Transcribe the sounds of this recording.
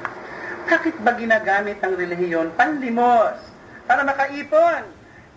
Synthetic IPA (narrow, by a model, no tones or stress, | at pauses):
b̥aːkɪt̪̚bɐɡɪnaːɡaːmɪt̪ɐŋɾɛlɪɦɪjo̞npɐnlɪmos | paːɾɐmɐkɐʔiːpon